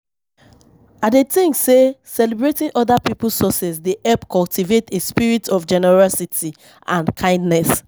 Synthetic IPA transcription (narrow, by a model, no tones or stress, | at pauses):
adetĩŋsesɛlɛbɹetĩnʔɔdapipulsɔsɛsdiʔɛpkɔltivetespiɹitɔfd͡ʒɛnɛɹɔsitʰi | ʔãnkʰãɪ̃ndnɛs